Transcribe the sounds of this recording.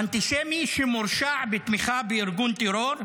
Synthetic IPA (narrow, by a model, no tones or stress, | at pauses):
ant̪iʃemiʃemuɾʃaʕbet̪miχabeiɾɡunt̪eɾoɾ